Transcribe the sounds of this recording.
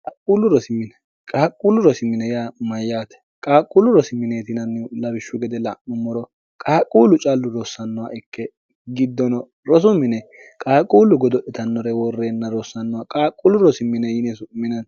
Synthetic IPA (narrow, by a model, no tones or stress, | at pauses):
kʼaːkʼuːlʊɾɔsɪmːɪnɛ | kʼaːkʼuːlʊɾɔsɪmːɪnɛjaːmɐjːaːt̪ɛ̥ | kʼaːkʼːulʊɾɔsɪmːɪneːt̪ɪnɐnːlɐbɪʃːʊɡɛd̪ɛlaʔʊmːɔɾɔ | kʼaːkʼuːlʊt͡ʃʼalːʊɾoːsːɐnːɔwaʔɪkːɛ | ɡɪd̪ːɔnɔ | ɾɔs̬ʊmːɪnɛkʼaːkʼuːlʊɡɔd̪ɔɗɛt̪ɐnːɔɾɛwɔrːeːnːɐɾoːsːɐnːɔwakʼaːkʼːulʊɾɔsɪmːɪnɛjɪnesʊmːɪnɐn